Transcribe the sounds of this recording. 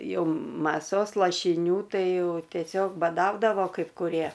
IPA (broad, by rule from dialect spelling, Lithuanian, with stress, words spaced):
ˈjɛʊ mɐˈsoːs lˠɐʃʲɪˈnʲuː ˈtɐɪ ˈjɛʊ tʲiɛˈsʲoːk bɐˈdɐʊdɐʋoː kɐɪp kʊˈrʲiɛ